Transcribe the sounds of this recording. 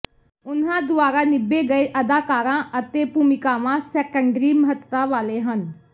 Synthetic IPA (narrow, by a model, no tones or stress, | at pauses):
ʊnɦãːd̪ʊaːɾaːnɪbeːɡəeːʔəd̪aːkaːɾãːʔət̪eːpuːmɪkaːʋãːsɛkəɳɖɾiːməɦət̪ːaːʋaːleːɦən